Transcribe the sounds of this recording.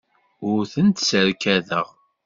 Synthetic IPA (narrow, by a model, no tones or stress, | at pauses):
ʊɾθənt̪səɾkæðəʁ